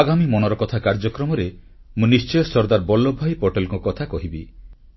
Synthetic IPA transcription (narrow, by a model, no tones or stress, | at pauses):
aɡamimɔñɔɾɔkɔt̪ʰakaɾd͡ʒɔkɾɔmɔɾe | mũnist͡ʃɔjɔsɔɾd̪aɾbɔlːɔbʱajpoʈelɔkɔkɔt̪ʰakɔɦibi